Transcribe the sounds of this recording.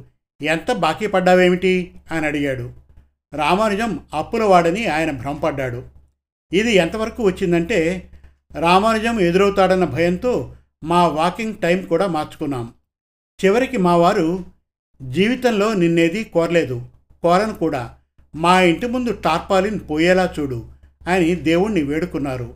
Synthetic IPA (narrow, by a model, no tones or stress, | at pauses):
ɛnt̪ɐbaːkipɐɖːaːʋe̞ːmiʈiɐjɐnɐɽiɡaːɽu | ɾaːmaːɾɐd͡ʒɐmɐpːulɐʋaːɽɐniaːjɐnɐbʱɾɐʋmpɐɖːaːɽu | id̪iɛnt̪ɐʋɐɾɐkuːʋɐt͡ʃːind̪ɐɳʈe̞ː | ɾaːmaːɾd͡ʒɐme̞d̪uɾɐwt̪aːɽɐnːɐbʱɐjɐnt̪o̞ː | maːʋaːkiŋɡʈɐjmkuːɽaːmaːɾt͡ʃu̥kunːaːm | t͡ʃiʋɐɾikimaːʋaːɾu | d͡ʒiːʋit̪ɐnlo̞ːninːe̞ːd̪ikɔːɾɐle̞ːd̪u | kɔːɾɐnukuːɽaː | maːiɳʈimund̪uʈaːɾpaːlinipoːjɛːlaːt͡ʃuːɽuɐjɐnid̪e̞ːwuɽnːiʋe̞ːɽukunːaːɾu